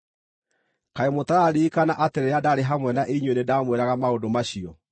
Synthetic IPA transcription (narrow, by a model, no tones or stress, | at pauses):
kaemotaɾaɾiːkanaʔateɾeadaɾeɦamwɛnaʔeɲwenedamweɾaɣamaodomaɕiɔ